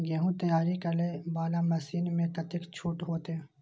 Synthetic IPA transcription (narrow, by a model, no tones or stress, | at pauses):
ɡeːɦũt̪ɐjaːɾikɐɾlebaːlamɐsiːnmẽt̪ɐt̪ɪkt͡ʃʰuːʈɦoːt̪e